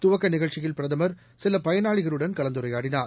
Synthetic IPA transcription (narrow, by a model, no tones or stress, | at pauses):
t̪ʊʋɐkːɐnɪɣɐɭt͡ʃɪjɪlpɪɾɐðɐmɐɾ | sɪlɐpɐjɐnaːɭɪɣɐɭɯɽɐnkɐɭɐnd̪ɯɾɐɪjaːɽɪnaːɾ